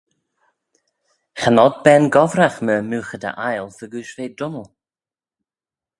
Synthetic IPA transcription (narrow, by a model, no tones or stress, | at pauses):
xanɔd̪̚bɛnɡɔvɾaxməmuːxəd̪ə̰ʔajlˠfəɡuːʃveːdʊnəlˠ